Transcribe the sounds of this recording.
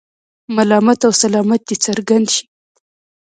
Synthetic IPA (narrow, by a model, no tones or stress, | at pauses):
malɑmat̪awsalɑmat̪̚d̪et͡saɾɡand̪ʃi̥